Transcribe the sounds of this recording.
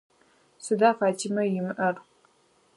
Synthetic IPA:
sɨdaːfaːtʰimɐjɪmʔɐr

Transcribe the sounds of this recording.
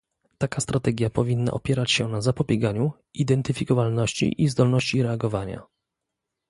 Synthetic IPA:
t̪akast̪ɾat̪ɛɡʲjapɔvʲinːa̰ʔɔpʲjɛɾat͡ɕɕɛnazapɔbʲjɛɡaɲu | id̪ɛnt̪ɘfʲikɔvalnɔɕt͡ɕḭʔizd̪ɔlnɔɕt͡ɕiɾɛaɡɔvaɲa̰

